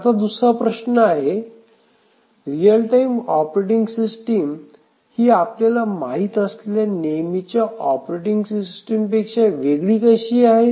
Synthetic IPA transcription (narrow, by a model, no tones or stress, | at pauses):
at̪ad̪usɾapɾəɕnəaɦe | ɾijəlʈaimɔpɾeʈiŋɡsisʈim | hiːapljalamaɦit̪əslljanemit͡ɕjaɔpɾeʈiŋɡsisʈəmpekʂaʋeɡɽiːkəɕiːaɦe